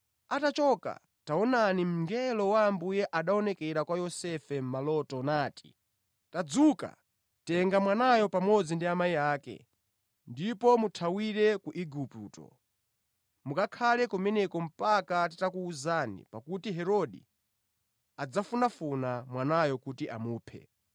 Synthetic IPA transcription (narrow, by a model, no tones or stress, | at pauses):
atat͡ʃɔka̰ | taɔnanim̩ŋɡɛlɔwaːmbujɛʔaɗaɔnɛkɛɾakwajɔsɛfɛm̩malɔtɔnaːtʰi̥ | tad͡zuka̰ | tɛŋɡamwanajɔpamɔd͡zindiamaijaːkɛ̰ | ndipɔmutʰawiɾɛkuʔiɡuputɔ̰ | mukakʰalɛkɔmɛnɛkɔm̩pakatitakuːzanḭpakutiɦɛɾɔɗḭ | ad͡zafunafunamwanajɔkutiʔamuːpʰɛ̰